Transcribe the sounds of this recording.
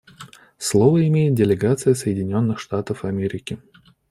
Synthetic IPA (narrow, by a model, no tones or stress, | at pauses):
slˠovəɪmʲejɪt̪̚dʲɪlʲɪɡat̪sɨjəsəjɪdʲɪnʲo̞nːɨxʂt̪at̪əfɐmʲeɾʲɪkʲɪ